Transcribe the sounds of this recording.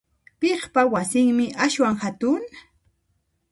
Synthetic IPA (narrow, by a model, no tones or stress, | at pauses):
peχpawasɪŋmɪʔaʃwaŋhat̪ʊŋ